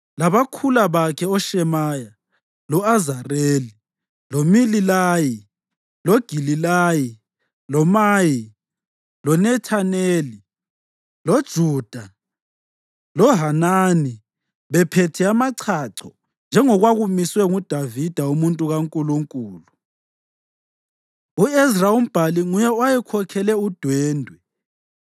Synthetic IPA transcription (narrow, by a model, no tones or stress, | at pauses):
laβakʰulaβakʰɛɔʃɛmaːja | lɔazareli | lomililaːji | loɡ̥ʱililaːji | lɔmaːji | lɔnɛtʰaneːli | lod̥ʒ̥ʱuːd̥ʱa | lɔɦanani | βɛpʰetʰɛamaǀʰaǀʰɔ | nd͡ʒʱɛŋɔɣwaɣumiswɛŋud̥ʱavid̥ʱaumuntʼuɣaŋkʼuluŋkʼuːlu | uɛzraum̩b̥ʱaliŋujɛwajɛkʰɔkʰɛlɛud̥ʱwɛːndʱwɛ